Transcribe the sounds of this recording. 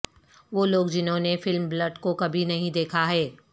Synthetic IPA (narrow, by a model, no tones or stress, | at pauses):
ʋoːloːɡd͡ʒɪnɦõnefɪlmblɐɖkokɐbʱinɐɦĩd̪eːkʰaɦɛː